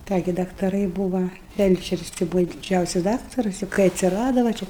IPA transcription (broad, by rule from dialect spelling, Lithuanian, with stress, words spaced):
ˈkɑː ɡʲɪ dɐktɐˈrɐɪ ˈbuːʋɐ ˈfʲɛlʲt͡ʃʲɛrʲɪs tɐɪ ˈbuːʋɐ dʲɪˈd͡ʒʲɛʊsʲɪs ˈdɑːktɐrʊs jɛʊ kɐɪ ɐtʲsʲɪˈrɑːdɐ ʋɐ ˈt͡ʃʲɛ